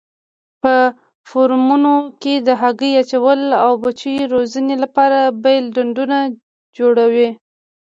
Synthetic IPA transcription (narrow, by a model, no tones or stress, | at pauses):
pə | foɾmunoked̪əɦaɡəjat͡ʃawəlawbat͡ʃujɾozənelapɑɾabajlɖaɳɖuna | d͡ʒoɽawi